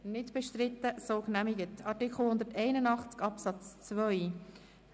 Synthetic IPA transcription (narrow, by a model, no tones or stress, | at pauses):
nɪtb̥ɛʃtɾɪtːəsoːknæmiɡətɑtikχl̩ˠhʊnd̪ətɛɪnənɑχt͡skɑpsɑt͡st͡svœʏ